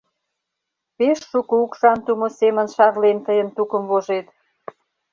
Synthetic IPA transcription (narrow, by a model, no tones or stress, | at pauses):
peʃːukoukʃɑnt̪umosemə̆nʃɑrlent̪əjənt̪ukə̆mvoʒet̪